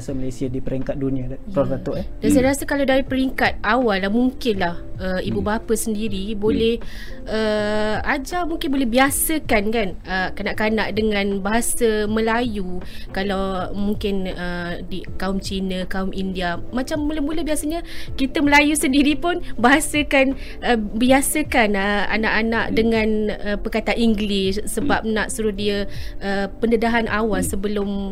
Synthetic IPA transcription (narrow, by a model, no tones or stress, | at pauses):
samalasiadipəɾiŋkat̪̚dunĩapɾɔrdat̪ɔʔdansajɾasakalawdaɾipəɾiŋkat̪̚awalːamuŋkɪnlahəibubapəsəndiɾibolɛh | əad͡ʒamuŋkɪnbolɛhbiasəkankanəkanaʔkanaʔdəŋãnbaɦasəmə̃lajukalawmuŋkɪnədikaʊmt͡ʃinəkaʊmindiamãt͡ʃamːuləmuləbiasəɲakit̪əməlajusəndiɾipʊnbaɦasəkan | əbiasəkanəa̰naʔanaʔdəŋãnəpərkat̪aʔiŋɡlɪsːəbap̚naʔsuɾʊhdiəəpənədaɦanʔawalsəbəlʊm